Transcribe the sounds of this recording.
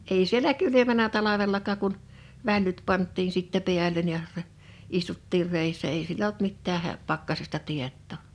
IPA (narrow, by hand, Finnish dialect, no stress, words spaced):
ei sielæ kylymænæ tɑlɑʋelːɑkɑːk kun ʋælːyt pɑntˑiːn sitːæ piælˑen jɑ rɛ istutːiːr reˑisːæ eˑi siel olt mitːæː hæ pɑkːɑsestɑ tietːoˑ